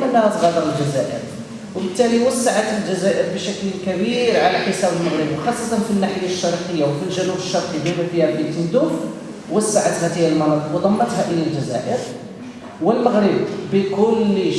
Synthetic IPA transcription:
mənːæhæt̪ˤɣɑd̪əɾˤəlʒæzæʔə̰ɾ | wəbət̪ːæliwəsːaʕat̪əlʒæzæʔəɾbəʃæklkæbiɾʕalæħəsæbəlməɣɾəbwxɑsˤːɑt̪ˤɑnfinːaħəjaʃːɑɾˤqəjːawfilʒænubəʃːɑɾˤqid̪imæfihælʔət̪ənd̪uf | wəsːaʕat̪hæt̪iːælmɑnɑt̪ˤəqwd̪ˤɑmːət̪hæʔəjːælʒæzæ̰ʔəɾ | wəlməɣɾəbbəkʊllː

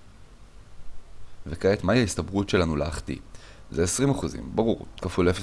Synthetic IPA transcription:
vekaet̪majihaistabʁutʃe̞lanulaːχt̪ḭ | zeesʁimaχuzḭmbaʁuʁkafulefe

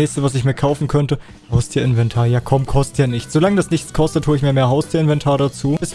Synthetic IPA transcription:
ɛːçstəvas̬ɪçmiːɐkʰaʊfn̩kʰœntə | haʊstʰiːɐɪnvɛntʰaːɐjaːkʰɔmkʰɔstjanɪçt͡sz̥olaŋədasnɪçt͡skʰɔstətʰuːɪçmiːɐmeːɐɦaʊstʰiːɐɪnvɛntʰaːɐdat͡suːɛs

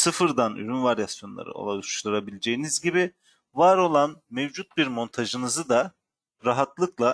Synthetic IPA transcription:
sɯfɯɾd̪any̰ɾynvaɾjasjo̞nlˠa̰ɾɯ̰o̰lˠauʃlˠuɾabilʲed͡ʒejinizɟibi | vaɾo̞lˠanmevd͡ʒut̪̚biɾmo̞nt̪ʰaʒɯnɯzɯd̪a | ɾaɦat̪lˠɯklˠa

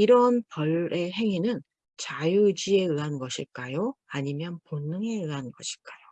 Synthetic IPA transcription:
iɾʌnpʌɭe̞ɦe̞ŋinɯn | t͡ɕajud͡ʑie̞ɯɦanɡʌɕʰiɭk͈ajoaɲimjʌnponːɯŋe̞ɯɦanɡʌɕʰi̥ɭk͈ajo

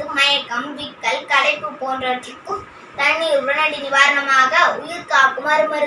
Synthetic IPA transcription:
ɯmɐjɐkːɐmʋɪkːɐɭkɐɽɐɪpːɯpoːndrɐʈɪkːɯ | t̪ɐɳːiʊʋɐnɐɳɖinɪʋaːɾɐɳɐmaːɣɐʊjɪɾkaːkʊmɐɾɯmɐɾɯ

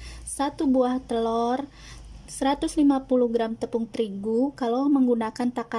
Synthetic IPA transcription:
sat̪ubuaht̪əlɔr | səɾat̪uslimapuluhɡɾamt̪əpuŋt̪ɾiɡukalaməŋɡunakant̪aka

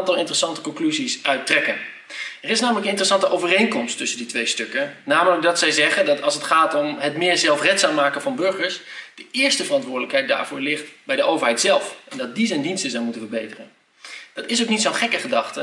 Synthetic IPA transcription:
ntɑlˠɪntərəsɑntə̥kɔŋklyzisœɥtrɛkən | ɛrɪsnaːmələkənɪntərəsɑntəʔowvərejŋkɔmstɵsənditʋejstɵkənaːmələk̚dɑtsɛjzɛχəndɑtɑlˠsətχaːtɔmɦətmɪːɹzɛlˠfrɛtsaːmːaːkənvɑnbɵɹχəɹsd̥əʔɪːɹstəvərɑntʋʊːɹdələkɦɛjt̚da̰ːɹv̥ʊːɹlɪχtbɛjdəʔowvəɹɦɛjtsɛlˠfɛndɑt̚dizɛjndinstəzɛwmutənvəɹbejtərən | d̥ɑtɪs̬owknitsɑnχɛkəχədɑχtə

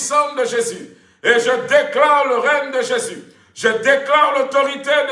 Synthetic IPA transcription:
sɑ̃d̪əʒezy | eʒəd̪eklaʁləʁɛɲd̪əʒezy | ʒəd̪eklaʁlot̪ɔʁit̪ed̪

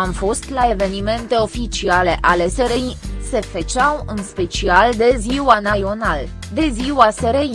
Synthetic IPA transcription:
amfo̞st̪lae̞ve̞nime̞nt̪e̞o̞fit͡ʃiale̞ʔale̞seɾejse̞fet͡ʃawɨnspe̞t͡ʃiald̪e̞ziwanajo̞nal | d̪e̞ziwaseɾej

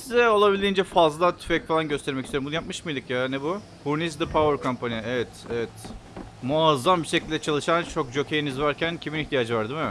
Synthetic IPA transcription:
sizɛo̞lˠabilʲd̪ind͡ʒɛfazlˠat̪ʰy̥fɛcfalˠanɟøst̪ʰɛɾmɛcist̪ʰeɾmbunɯjap̚mɯʃmɯjd̪ɯkjaːnɛbu | huɾnisd̪ɯpʰavɛɾkʰompʰaniɛɛvɛt̪ɛvɛt̪muazːambiʃecʰilʲd̪ɛt͡ʃʰalˠɯʃant͡ʃʰo̞k̚d͡ʒo̞cʰejinizvaɾcʰæncʰiminiçt̪ʰijaːd͡ʒɯvaɾd̪imɪ

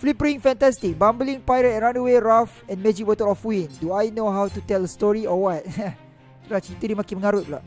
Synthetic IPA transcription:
flipəɹĩŋfɛ̃ntɛstik̚bãmbəlĩŋpajɾɛt̚ɛ̃nɹãnəweɹafɛ̃nmed͡ʒik̚wətəlɔfwĩnduajnoɦawtutɛldəstɔɹiɔwɔt̚ | lat͡ʃit̪əɾimakiməŋaɾut̚la̰

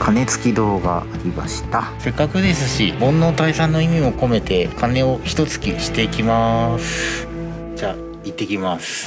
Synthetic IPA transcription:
kʰane̞t͡sɨ̥kʲid̪oːɡa̰ːɾʲimaɕi̥t̪ase̞kːakɯ̟d̪e̞sɨɕḭmõ̞nːo̞ːt̪aisãnːo̞imʲimo̞ko̞me̞t̪e̞kane̞o̞çi̥t̪o̞t͡sɨ̥kʲiɕi̥t̪e̞ikʲimasɨ | d͡ʑaː | it̪ːe̞kʲimasɨ̥

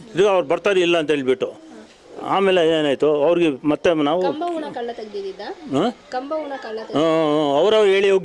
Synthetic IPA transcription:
id̪ɡɐʋɐɾbɐɾt̪aːɾeilːɐːnt̪ɐɦeːɭibiʈːu | a̰ːmeːleeːnaːjt̪uɐʋɐɾɡemɐt̪ːenaːʋɐmbɐunɐkɐɭːt̪ɐɡd̪id̪id̪aakɐmbɐʋunɐkɐɭɐt̪ɐɐʋɾɐʋɦe̞ːɭioːɡ

